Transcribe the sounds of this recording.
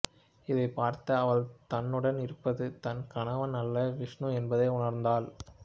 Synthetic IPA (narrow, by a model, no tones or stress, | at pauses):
ɪðɐɪpaːɾt̪ɐɐʋɐɭt̪ɐnːɯɽɐnɪɾɯpːɐðɯt̪ɐnkɐɳɐʋɐnɐlːɐʋɪʂɳɯɛnbɐðɐɪʊɳɐɾnd̪aːl